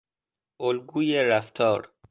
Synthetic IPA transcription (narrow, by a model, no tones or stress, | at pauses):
olɡuːjeɾæft̪ʰɔːɾ